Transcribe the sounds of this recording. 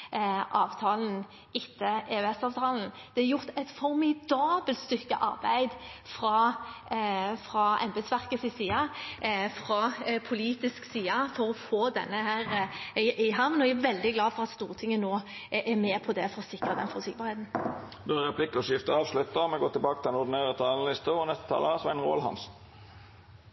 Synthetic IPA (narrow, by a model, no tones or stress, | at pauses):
ʔɑːʋt̪ʰɑːln̩ | ɪt̪ʰːəeːʉɛsɑːʋt̪ʰɑːln̩d̪̥ɛæjʊʁt̪ɛt̪fɔʁmɪd̪ɑːbəlt̪st̪ʏkːəʔɑ̰ʁbæ̰ɪd̪fʁɑ | fʁɑɛ̰mbɛd̪sʋæʁkəsɪsiːɑ | fʁɑpʰʊliːt̪ɪsksiːɑfɔɾɔfoːd̪ɛ̰nːəhæːʁɪʔɪɦɑʋnɔææʋɛld̪ɪɡlɑːfɔʁɑt̪st̪uːʁət̪ʰɪŋːənoːʔɛmeːpʰɔd̪ɛfɔʁɔsɪkʁɑd̪ɛ̰nfɔsɪkbɑʁheːt̪n̩ | bøəʁɛpʰlɪkːɔsjɪft̪əɑːʋslʉt̪ːəmɛɡoːt̪ɪlbɑːkət̪ʰɪlɛnʊd̪ɪneːʁət̪ʰɑːlənəlɪst̪əɔnɛst̪ə̥t̪ʰɑ̰ːləsʋɛnʁo̰ːlhɑ̰ns